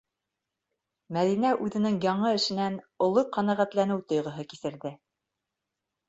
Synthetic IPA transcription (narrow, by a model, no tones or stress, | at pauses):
mæðinæʔʉðɘ̆nɘŋjɑɴɤɘ̆ʃɘ̆nænŏlˠoqɑnæʁæt̪lænɘwt̪ŏjʁɤ̆ɦɤkisɘ̆ɾðɘ